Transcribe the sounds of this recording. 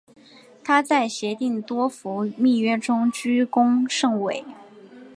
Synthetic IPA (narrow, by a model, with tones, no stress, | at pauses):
t̪ʰa˥t͡sa˥˩ɪɕjɛ˧˥t̪i˥˩ŋt̪wɔ˥fu˧˥mi˥˩ɥɛ˥ʈ͡ʂʊ˥ŋt͡ɕy˥kʊ˥ŋʂɤ˥˩ŋwe˨˩˦ɪ